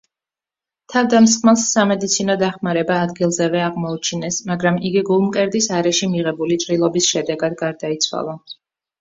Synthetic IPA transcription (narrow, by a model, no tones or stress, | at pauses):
t̪ʰavd̪ams̬χmɛlˠsːamɛd̪it̪sʰinɔd̪aχmaɾɛbaːd̪ɡilˠzɛvɛaʁmɔut͡ʃʰinɛsmaɡɾamiɡiɡulˠmkʼɛɾd̪isaɾɛʃimiʁɛbulit͡ʃʼɾilˠɔbisʃɛd̪ɛɡad̪ɡaɾd̪ait̪sʰwa̰lˠa